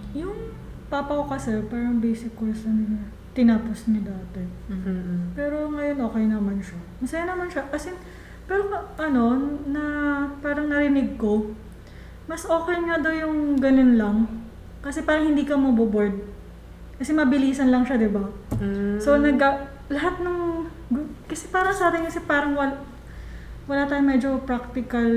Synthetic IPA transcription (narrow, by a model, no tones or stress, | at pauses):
jʊŋ | papɐkokɐsɛɾpaːɾɐŋbejsɪkːosɐnʊnɐ | t̪ɪnaːposɲɐd̪aːt̪ɛ | pɛːɾo̞ŋɐjo̞nʔo̞ːkɛjnɐmanʃɐmɐsɐjanɐmanʃɐkɐsɛ | pɛːɾoʔɐno̞nɐpaːɾɐŋnɐɾɪnɪɡ̚ko̞ | mɐsʔo̞ːkɛjŋad̪owjʊŋɡɐnonlɐŋ | kɐsɛpaːɾɐŋhɪnd̪iːkɐmɐboboɹd̪̚ | kɐsɛmɐbɪliːsɐnlɐŋʃad̪ɪba | so̞nɐɡɐ | lɐɦat̪̚nɐŋ | ɡkɐsɛpaːɾɐŋsaːb̪ɪŋkɐsɛpaːɾɐŋwɐl | wɐlaːt̪aːjʊŋmɛːd͡ʒo̞pɾak̚t̪ɪkɐl